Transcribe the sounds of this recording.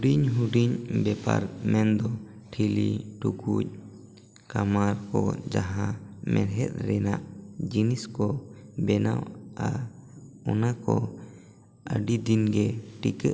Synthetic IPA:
uɖiɲɦuɖiɲbɛpa̰ɾt̪̚mɛnd̪ɔ | ʈʰiliʈukuc̚ | kamaɾkɔd͡ʒaɦãmɛɾɦɛt̪̚ɾɛnaʔd͡ʒiniskɔbɛna̰wa | ɔnakɔ | əɖid̪inɡɛʈikə

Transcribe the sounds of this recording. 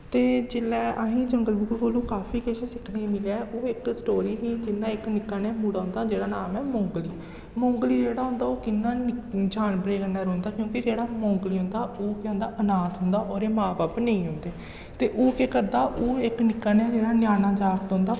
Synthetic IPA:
t̪eːd͡ʒɪlɛːʔəɦĩːd͡ʒəŋɡəlbukːboːlõːkaːpʰiːkeʃeːsɪkʰnẽːmɪlɛːʔoːɪksʈoːɾiːɦiːd͡ʒɪnːãːɪknɪkːaːnɛːmuːɽaːɦʊ̃nd̪aːd͡ʒeːɽaːnaːmɛːmɔ̃ːŋɡliː | mõːŋɡliːd͡ʒeːɽaːɦʊ̃nd̪aːoːkɪnːãːnɪd͡ʒaːnbɾeːkənːaːɾõːnd̪aːkjõːkɪd͡ʒeːɽaːmõːŋɡliːɦʊ̃nd̪aːʔoːkːõnd̪aːʔənaːt̪ɦʊ̃nd̪aːʔoːɾeːmãːbaːpnẽĩːɦʊ̃nd̪eː | t̪eːʔoːkeːkəɾd̪aːʔoːɪknɪkːaːnɛ̃ːd͡ʒeːɽaːnjaːnãːd͡ʒaːkt̪ɦõːnd̪aː

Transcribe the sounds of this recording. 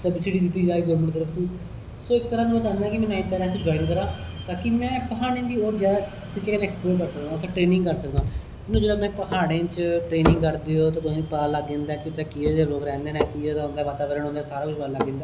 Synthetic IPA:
səbsiɖiːd̪ɪt̪ːiːd͡ʒaːiːd̪oːmɪñːt̪əɾəfʰt̪iː | soːɪk̚t̪əɾãːnũpət̪ãːnd̪ãɛːkɪmɛ̃ːnaːit̚pɛːlaːs̬ĩːd͡ʒɔːɪnkəɾãːt̪aːkimɛ̃ːpəɦaːnẽnd̪iːoːɾd͡ʒɛː | t̪ɪkːeːkːnɛːkspoːʈkəɾsək̚d̪ãːt̪ʰãʈɾeːnɪ̃ŋɡkəɾsəkd̪ãː | ɪnũːd͡ʒeːdãːmɛ̃ːpəkʰaːɽẽt͡ʃʈɾeːnɪ̃ŋɡkəɾd̪eːoːt̪aːt̪ʊsĩːpəaːləɡːẽːnd̪ɛːkɪʊt̪eːkieeloːkɾɛ̃ːnd̪eːnɛ̃ːkɪot̪ːnd̪aːʋaːt̪aːʋəɾəɳɦõːnd̪aːsaːɾaːkʊt͡ʃpəaləɡːẽːnd̪aː

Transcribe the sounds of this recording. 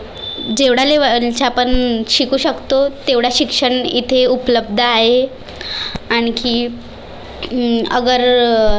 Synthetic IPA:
d͡ʑeʋɽaleʋəlt͡ɕapəɳɕikuːɕəkt̪ot̪eʋɽ̤aɕikʂəɳit̪ʰeupləb̚d̪ʱəaɦe | aɽ̃iki | əɡəɾ

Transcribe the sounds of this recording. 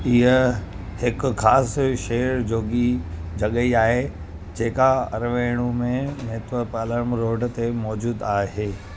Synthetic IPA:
iɦə | hɪkxaːsʃeːɾd͡ʑoːɠid͡ʑɐɠəiaːɦe | d͡ʑeːkaɐ̰ɾʋeːɽ̃ũmẽmeːt̪ʋəpaːləɾmɾoːɖt̪emɔːd͡ʑuːd̪aːɦeː

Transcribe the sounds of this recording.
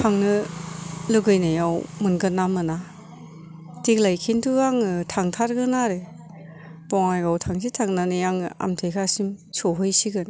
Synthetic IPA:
tʰaŋnɯ | lɯɡɯjnajawmɯnɡɯnːamɯna | tiklajkʰintʰuaŋtʰaŋtʰaɾɡɯnaɾe | bɔŋajɡawtʰaŋsitʰaŋnanɯjaŋa̰mtʰejkʰasimsɔɦɯjsiɡɯn

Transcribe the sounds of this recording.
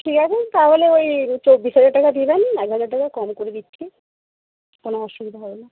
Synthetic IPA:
ʈʰikat͡ɕʰet̪aɦoleojt͡ɕobːisɦad͡ʑaɾʈːakad̪ibenɛkɦad͡ʑaɾʈakakɔmkoɾed̪itːɕʰe | konoɔʃubid̪ʱaɦɔbela

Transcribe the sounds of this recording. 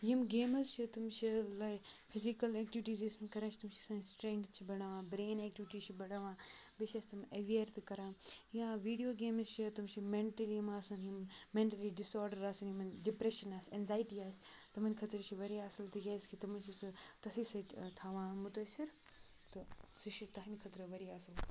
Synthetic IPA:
jimɡeːmɐzt͡ʃʰit̪ɐmt͡ʃʰilaːipʰɪzikɐleːk̚ʈɪʋɪʈiːzisunkɐɾãːt͡ʃʰi̥t̪ɐmt͡ʃʰiɐsãːsʈɾẽŋkt̪t͡ʃʰibɐɽaʋãːbɾeːneːk̚ʈiʋɪʈiːt͡ʃʰibɐɽaːʋãːbeʃɐst̪ɐmɐʋiəɾt̪ɨkɐɾãːjãːʋiːɖijoːɡeːmzt͡ʃʰit̪ɐmt͡ʃʰimẽɳʈɐlimaːsɐnjimmẽːɳʈɐliɖɪsɔːɾɖəɾaːsunimɐnɖɪpɾeʃɐnaːseːnzaːɪʈiaːst̪ɐmɐnkʰɐt̪ɾt͡ʃʰiʋɐɾiaːsɐlt̪ʰiɦɐːskʰit̪ɐmɐt͡ʃʰist̪ɐsisɐt̪ʰaːʋãːmʊt̪ɐsiɾ | t̪ɐsiʃit̪ɐɦinikʰɐt̪ɾɐʋɐɾiaːsɪl

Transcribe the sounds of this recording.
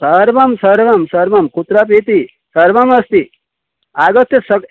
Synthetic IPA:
sɐɾʋɐmsɐɾʋɐmsɐɾʋɐmkut̪ɾap̬iːt̪i | sɐɾʋɐmɐst̪i | aɡɐt̪jɐsɐk

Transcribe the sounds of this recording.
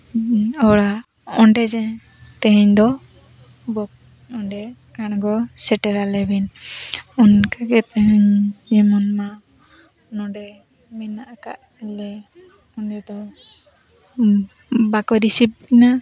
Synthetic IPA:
ɔwɽa | ɔɳɖɛd͡ʒɛ | t̪ɛɦɛɲd̪ɔ | bɔk̚ | ɔɳɖɛkaɽ̃ɡɔsɛʈɛɾalɛbin | ɔnkaɡɛt̪ɛɦɛɲd͡ʒimɔnma | nɔɖɛ | mɛnaʔaka̰ʔ | lɛ | ɔndɛd̪ɔ | bakɔɾisip̚ina

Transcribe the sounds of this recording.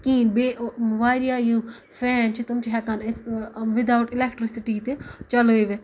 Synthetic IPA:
kiːnbeːʋaːɾijaːjũː | fʰɛːnt͡ʃʰit̪ʊmt͡ʃʰɦɛkanɪsʋɪd̪awʈɪlɛk̚ʈɾɪsɪʈiːt̪et͡ʃɐləʋet̪

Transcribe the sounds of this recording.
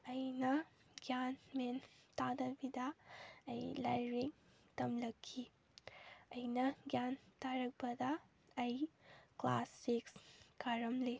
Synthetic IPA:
ɐjnɐ | ɡjanment̪ad̪ɐbid̪ɐːjlajɾiŋ | t̪ɐmlɐkʰːi | ɐjnɐɡjant̪aɾɐk̚bɐd̪ɐː | jkla̰sekskaɾɐmle

